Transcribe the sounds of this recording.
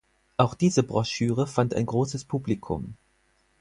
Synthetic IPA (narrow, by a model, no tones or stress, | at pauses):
ʔaʊxd̥iːzəbʁɔʃyːʁ̞əfanta̰ɪnɡʁoːsəspʰuːblikʰʊ̰m